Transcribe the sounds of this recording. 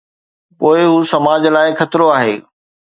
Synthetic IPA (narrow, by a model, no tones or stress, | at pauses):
poːɪɦuːsɐmaːd͡ʑlaːɪxɐt̪ɪɾoaːɦeː